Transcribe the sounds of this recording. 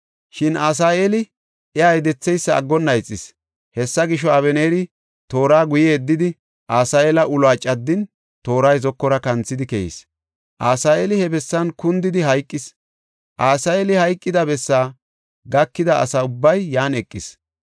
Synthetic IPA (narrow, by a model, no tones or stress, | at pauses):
ʃɪnaːs̬aːelɪ | ɛajd̪ɛt͡sːɛjsːɐ̰ːɡːɔnːɐjt͡sʼːɪs | hɛsːɐɡɪʃːɔɐβɛneːɾɪ | t̪o̞ːɾaːɡʊjɛːd̪ːɪd̪ɪ | ʔaːsaːjeːlɐʔʊlaːt͡ʃʼɐd̪ːɪn | t̪o̞ːɾɐjzɔkːɔɾɐkɐnt͡sːɪd̪ɪkɛjḭs | ʔaːsaːeːlɪhɛbɛsːɐnkʊnd̪ɪd̪ɪɦɐjkʼːɪs | ʔaːsaːjeːlɪhɐjkʼːɪd̪ɐbɛsːaː | ɡɐkːɪd̪ɐɐ̰sɐʊbːɐjːaːnɛkʼːɪs